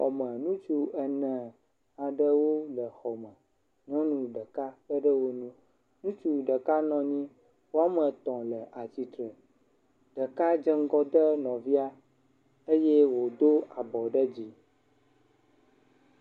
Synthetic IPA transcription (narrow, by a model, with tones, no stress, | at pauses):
ɔ̰˨mə̃˨nũ˦t͡ʃu˦ə˨nɛ̃˨ | a˨ɖə˦wo˦lə˨xɔ˨mə̃˨ | ɲɔ̃˦nũ˨ɖə˨ka˦ɖə˦ɖə˦wo˦nũ˦ | nũ˦t͡ʃu˨ɖə˨ka˦nɔ̃˨ɲĩ˦ | wo˦a˦mə˨t̪ɔ̃˨lə˨ʔa˨t͡ɕi˨t̪ɾə˨ | ɖ̥ə˨ka˦d͡ʒə˦ŋ˦ɡɔ˦d̪ə˦nɔ̃˨vi˦a˦ | e˦je˦wo˨d̪o˦a˨bɔ˨ɖə˦d͡ʑi˦